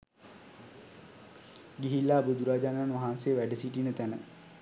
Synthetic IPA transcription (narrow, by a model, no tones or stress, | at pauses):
ɡiɦilːaːbud̪uɾaːd͡ʒananʋaɦanseːʋæɖəsiʈinət̪ænə̰